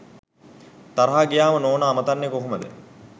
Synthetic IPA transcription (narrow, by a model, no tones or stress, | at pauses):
t̪aɾɐɦaːɡijaːmənoːnaːmət̪anːjekoɦuməd̪ə̰